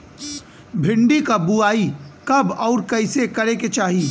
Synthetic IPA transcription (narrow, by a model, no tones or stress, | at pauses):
bʱɪ̃ɳɖikabuaːikɐbɔːɾkɐɪsekɐɾeket͡ʃaːɦiː